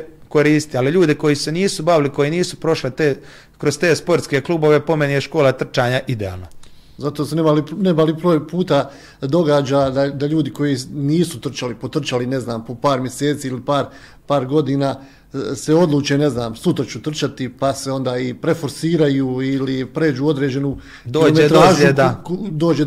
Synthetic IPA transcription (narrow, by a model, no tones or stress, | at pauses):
koɾiːst̪ialiʎuːd̪eko̞jiseniːsubaʋiliko̞jiniːsupɾo̞ʃlet̪eː | kɾost̪e̞ːspo̞ɾt̪ske̞kluːbo̞ʋepo̞menieʃko̞ːlat̪r̩t͡ʃaːɲaʔid̪ea̰ːlˠna | zat̪osunemalinemalipɾoːpuːt̪a | d̪o̞ɡaːd͡ʑad̪ad̪aʎuːd̪iko̞jiniːsut̪r̩t͡ʃalipo̞t̪r̩t͡ʃaline̞znaːmpo̞paːɾmje̞se̞ːt̪siːilipaːɾ | paːɾɡo̞d̪iːnaː | se̞o̞d̪luːt͡ʃene̞znaːmsut̪ɾat͡ʃut̪r̩t͡ʃat̪ipase̞o̞nd̪aːipɾe̞fo̞ɾsiːɾajuːilipɾe̞ːd͡ʒuːod̪ɾeːd͡ʑe̞nu | d̪oːomeet̪ɾaːzued̪ad̪o̞ːd͡ʒe